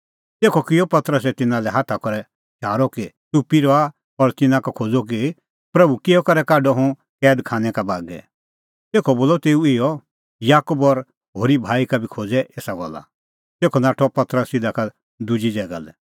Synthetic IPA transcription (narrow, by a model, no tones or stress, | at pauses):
t̪eːkʰɔkɪjɔpɐt̪ɾəs̬ɛt̪ɪnãlɛɦaːt̪ʰakɔɾɛ | ʃʰaːɾɔkit̪upiɾɔa | ɔɾt̪ɪnãkakʰoːd͡zɔk̬i | pɾɐbukɪjɔkɐɾɛkaːɖɔɦũ | kɛːd̪kʰãːñɛkabaːɡɛ̰ | t̪eːkʰɔboːlɔt̪eːuɪjɔ | jaːkubɔɾ | ɦoːɾibʱaːikabʱikʰoːd͡zɛʔeːsaɡɔ̰lːa̰ | t̪eːkʰɔnaːʈʰɔpɐt̪ɾəsɪd̪aka | d̪ʊd͡ʒid͡ʒɛɡa̰lɛ̰